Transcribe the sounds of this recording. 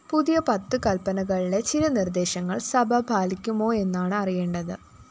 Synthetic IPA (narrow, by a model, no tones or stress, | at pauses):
puðijɐpɐt̪ːɨkɐlpɐnɐɣɐɭile̞t͡ɕilɐnird̪e̞ːɕɐŋːɐɭsɐbʱɐbʱaːlikʲːumo̞ːe̞nːaːɳɨɐrijeːɳɖɐðɨ